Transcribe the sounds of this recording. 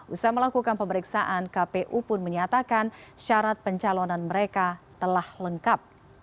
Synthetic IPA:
ʔusaɦaməlakukanpəməɾiksaʔankapeʔupʊnməɲat̪akanʃaɾat̪̚pəɲt͡ʃalonanməɾekat̪əlahləŋkap̚

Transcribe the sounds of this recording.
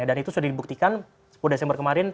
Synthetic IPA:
adanit̪usudadibuk̚t̪ikan | pudasjaŋbərkəmaɾɪn

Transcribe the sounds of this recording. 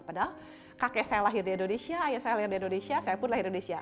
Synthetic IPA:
padɔ | kakɛʔsajalaɦɪrdiindonesiaːjasajalaɦɪrdiindonesiasajapʊnlairidonesia

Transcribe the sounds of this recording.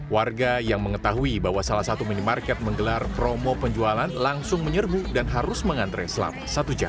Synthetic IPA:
warɡajaŋməŋət̪aɦuibaɦwasalahsat̪uminimarkɛt̪̚məŋɡəlarpɾomopəɲd͡ʒualanlaŋsʊŋməɲərbudanɦaɾʊsməŋant̪ɾɛ̰sla̰p̚sat̪ud͡ʒa̰

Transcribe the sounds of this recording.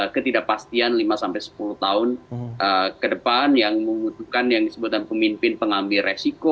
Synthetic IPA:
kət̪idaʔpast̪ianlimasampajsə̥puluht̪aʊnʔəkədəpanjaŋməmut̪uhkanjaŋdisəbut̪̚anpəmimpɪnpəŋambɪresiko

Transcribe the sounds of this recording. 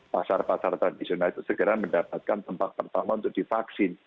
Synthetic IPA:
pasarpasart̪ɾadisionalit̪usəɡəɾaməndapat̪̚kant̪əmpat̪̚pərt̪amaunt̪ʊk̚d̥ifaksɪn

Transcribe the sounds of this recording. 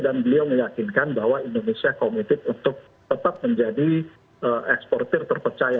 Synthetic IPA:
danbəliawməjakinkanbaɦwaindonesiakomit̪ɪp̪̚unt̪ʊk̚ | t̪ət̪ap̚məɲd͡ʒadi | əʔɛkspɔrt̪ɪrt̪ərpərt͡ʃaja

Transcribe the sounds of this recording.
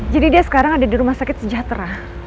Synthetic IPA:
d͡ʒadidiasə̥kaɾaŋadadiɾumahsakɪt̪səd͡ʒat̪ɾa

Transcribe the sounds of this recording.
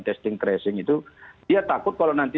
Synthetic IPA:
t̪ɛst̪ɪŋkɾɛsɪŋit̪ud̥iat̪akʊt̪̚kalonant̪i

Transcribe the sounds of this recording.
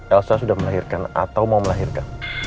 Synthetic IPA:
ʔɛlsasudahməlaɦirkana̰t̪awmauməlaɦirkan

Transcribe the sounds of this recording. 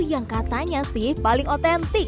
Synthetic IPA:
jaŋkat̪aɲasɪhpalɪŋot̪ɛnt̪ɪ

